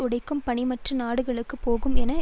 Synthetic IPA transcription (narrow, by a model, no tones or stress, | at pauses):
ʊɽɐɪkːɯmpɐɳɪmɐʈrɯnaːɽɯɣɐɭɯkːɯpoːɣɯmɛnɐ